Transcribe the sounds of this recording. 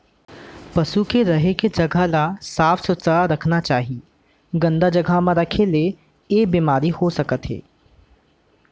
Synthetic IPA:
pɐsukeɾɐɦeked͡ʒɐɡʱalasaːfʰsʊt̪saaɾɐkʰnat͡ʃaːɦie | ɡɐ̃nd̪ad͡ʒɐɡʱamãɾɐkʰele | eːbiːmaːɾihosɐkət̪ɦḛː

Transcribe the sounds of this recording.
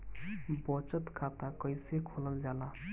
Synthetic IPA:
bɔt͡ʃət̪kʰat̪akəjsekʰoləld͡ʒala

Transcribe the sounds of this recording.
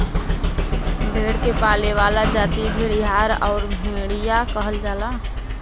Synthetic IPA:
bʱeːɽkepaːleʋaːlad͡ʒaːt̪iɦiɽiɦaːɾɔ̰ːɾbʱeẽːɽijakəɦəld͡ʒaːlaː

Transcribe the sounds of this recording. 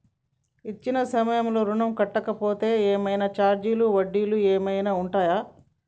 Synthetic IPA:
it͡ʃːinɐsɐmɐjɐmlo̞ːɾuɳɐmkɐʈːɐkɐpo̞ːt̪e̞ːeːmɐjnɐt͡ʃaːɾd͡ʒiːluʋɐɖːiːlueːmɐjnaːuɳʈaːjaː

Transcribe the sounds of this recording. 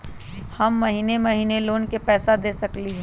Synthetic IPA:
hɐmːɐɦiːnemɐɦiːneloːnkepɛːsad̪eːsɐkliɦɛː

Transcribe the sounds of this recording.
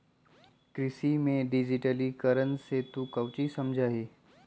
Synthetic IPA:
kɾɪsimẽɖɪd͡ʒɪʈəlikəɾənset̪ukəʋt͡ʃisɐmd͡ʒʱaːɦiː

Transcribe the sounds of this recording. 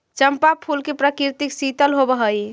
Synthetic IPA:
t͡ʃəmpapʰulkepɾəkiɾt̪iksit̪əlɦobəɦəj

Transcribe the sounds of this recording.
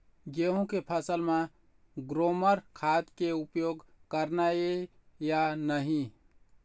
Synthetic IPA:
ɡeɦũkepʰəsəlme | ɡɾoməɾkʰat̪keupjoɡkəɾnae | janəɦĩ

